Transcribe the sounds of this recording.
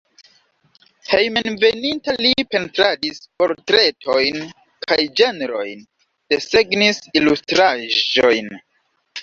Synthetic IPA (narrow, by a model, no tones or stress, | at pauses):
he̞jmenve̞nintalipe̞ntɾadispo̞ɾtɾe̞tʰo̞jn | kʰajd͡ʒeneɾo̞jn | de̞se̞ɡnisilustɾaʒo̞jn